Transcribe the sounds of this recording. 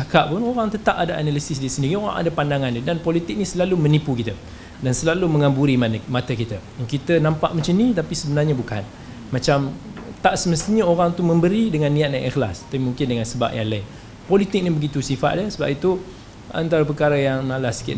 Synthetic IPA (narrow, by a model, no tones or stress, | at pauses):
akaʔpʊnoɾaŋt̪ət̪apadaʔanalisɪs̬disəndiɾioɾa̰ŋʔa̰dapandaŋandədanpɔlit̪ɪk̚nisəlalumənipukit̪ə | dansəlaluməŋambuɾimanmat̪əkit̪ə | kit̪ənãmpaʔmət͡ʃənit̪apisəbənarɲabuka̰n | mat͡ʃamt̪aʔsəməst̪iɲaoɾaŋt̪umə̃mbəɾidəŋanːĩat̪̚naʔɛxla̰st̪apimuŋkɪndəŋãnsəba̰p̚jaŋlai | pɔlit̪ɪk̚nibəɡit̪usifa̰t̪̚dəsəba̰p̚it̪u | a̰nt̪aɾap̬ərkaɾajaŋnalasə̥kɪ̰